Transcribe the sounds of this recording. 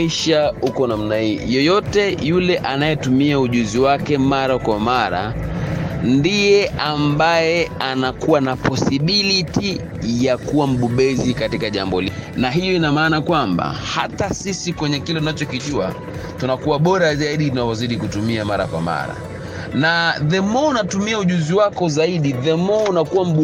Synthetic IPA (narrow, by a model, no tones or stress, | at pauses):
iʃahukɔnam̩nahiːjɔjɔtɛjulɛʔanajɛtumiauʄuziwakɛmaɾakwamaɾa̰ | ndijɛʔambajɛanakuwanapɔsiɓiliti | jakuwam̩ɓuɓɛzikatikaʄa̰mbɔlinaɦijɔinamaːnakwamba̰ha̰tasisikwɛɲɛkilɛtunat͡ʃɔkiʄua̰ | tunakuwaɓɔɾazaiɗitunavɔziɗikutumiamaɾa̰kwa̰ma̰ɾa̰ | naðɛmɔunatumiauʄuziwakɔzaiɗiðɛmɔunakuwam̩ɓ